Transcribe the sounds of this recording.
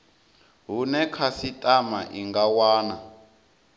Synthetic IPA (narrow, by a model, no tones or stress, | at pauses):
ɦunɛkʰasitʼamaʔiŋɡawaːna